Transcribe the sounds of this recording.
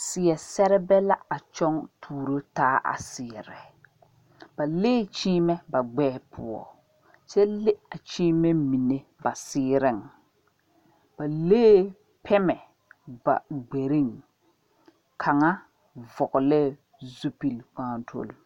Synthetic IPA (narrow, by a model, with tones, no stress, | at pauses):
sɪ˨ɛ˨sɛ˦ɾɛ˦bɛ˦la˦a˨t͡ʃɔ˦ŋtʰuː˦˨ɾo˦taː˦ʔa̰˨sɪ˨ɛ˨ɾɪ˨ | ba˨leː˦t͡ʃiː˦mɛ˦ba˨ɡ͡bɛː˦pʰʊ̰˨ɔ̰˨ | t͡ʃɛ˦le˦a˨t͡ʃiː˦mɛ˦mi˨ne˨ba˨sɪː˦ɾɪ˦˨ŋ | b̥a˨leː˦ | pʰɛ˦mɛ˨ | ba̰˨ɡ͡be˨ɾi˦ŋ | kʰa˨ŋa˦ | vɔ˨ɣʊ˨lɛ˦˨ | zu˦pi˨lk͡paː˨˦˨ntʰo̰˦˨l